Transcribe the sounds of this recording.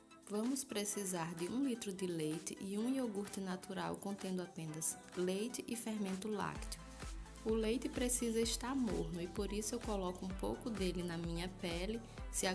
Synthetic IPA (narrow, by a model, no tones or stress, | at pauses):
vɐ̃mʊspɾesizaɾd̪ɪũlit̪ɾʊd̪ɪlejt̪ɪ̰ʔɪũioɡuɾt̪ɪnat̪uɾa̰wkõnt̪ẽnd̪ʊapẽnɐs | lejt̪ɪʔɪfeɾmẽnt̪ʊla̰kt̪ʊ | ʊlejt̪ɪpɾesizɐiʃt̪aɾmo̰ɾnʊɪpoɾisʊewkolɔkʊũpowkʊd̪elɪnɐmĩɲɐpɛlɪ | sɪa